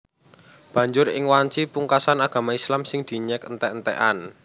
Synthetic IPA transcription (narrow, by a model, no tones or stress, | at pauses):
b̥ä̤ɲd͡ʒʊɾɪ̰ŋwaɲt͡ʃipuŋkasanaɡ̥ä̤maislamsɪŋd̪̥i̤ɲɛkənt̪ɛnt̪ɛ̰ʔan